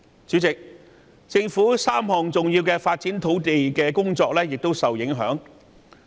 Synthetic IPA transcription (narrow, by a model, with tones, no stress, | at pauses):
t͡syː˨˥t͡sɪ˨k̚ | t͡sɪ˧ŋfuː˨˥saː˥mhɔː˨ŋt͡sʊ˨ŋjiː˧wkɛː˧faː˧t̚t͡si˨˥nt̪ʰo˨˥wt̪e˨jkɛː˧kʊ˥ŋt͡sɔː˧k̚lɛː˥jɪ˨k̚t̪o˥wsɐ˨wjɪ˨˥ŋɦœː˨˥ŋ